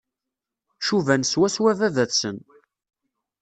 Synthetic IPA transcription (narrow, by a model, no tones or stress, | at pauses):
ʃuvænswæswævæðæθsən